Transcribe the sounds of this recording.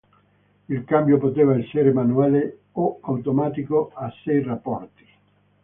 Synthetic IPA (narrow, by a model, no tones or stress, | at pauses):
ilkambjopot̪eːvaɛseɾemanuaːle | oawt̪omaːt̪ikoasːɛjrapːɔrt̪i̥